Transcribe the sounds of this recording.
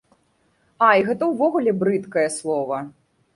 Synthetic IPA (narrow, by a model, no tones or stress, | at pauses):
ajɣɛt̪ɐwvɔɣulʲɛbɾɨt̪kɐjɐslˠɔvɐ